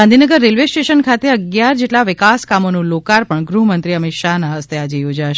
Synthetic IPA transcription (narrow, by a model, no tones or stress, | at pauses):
ãnd̪ʱinəɡəɾːelʋesʈeʃənkʰat̪eəɡjaɾd͡ʒeʈlaʋɪkaskamonũlokaɾpəɳɡɾuɦmənt̪ɾiəmɪt̪ʃanaɦəst̪ead͡ʒejod͡ʒaʃ